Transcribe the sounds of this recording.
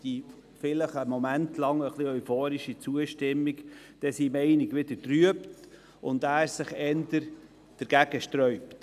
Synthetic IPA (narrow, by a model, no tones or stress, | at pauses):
d̥i | fɪləχəmɔmæntʰlɑŋəχliœʏfoːɾiʃit͡suəʃtɪmːik | d̥ɛsimɛɪnɪɡʋɪd̪̥əɾtryəpt | ʔʊnd̪æːɾsɪχɛnd̥̪əɾ | d̥əɾɡ̥æɡ̥əʃtɾœʏpt